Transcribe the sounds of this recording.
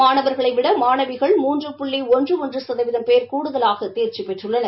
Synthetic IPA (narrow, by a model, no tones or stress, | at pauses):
aːnɐʋɐɾɣɐɭɐɪʋɪɽɐmaːnɐʋɪɣɐɭmuːndrɯpʊɭːiɔndrɯɔndrɯsɐðɐʋɪðɐmpeːɾkuːɽɯðɐlaːɣɐt̪eːɾt͡ʃipɛʈrɯɭːɐnɐ